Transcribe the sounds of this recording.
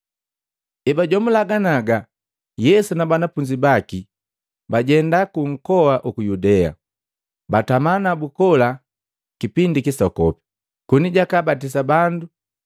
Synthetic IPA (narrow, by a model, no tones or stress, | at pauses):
ɛbaɟwɔmulaɡanaɡa | jɛsunabanafuɲd͡ʒibaki | baɟɛndakuŋ̩kɔwaʔukujudɛa̰ | batamanabukɔla | kipindikisɔkɔpi̥ | kuniɟakabat̬is̬abandu